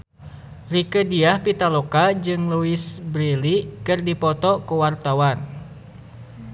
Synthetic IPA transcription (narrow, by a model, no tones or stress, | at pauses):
rikədiahpit̪alokad͡ʒɨŋluisbɾilikɨrdipɔt̪ɔkuwart̪awan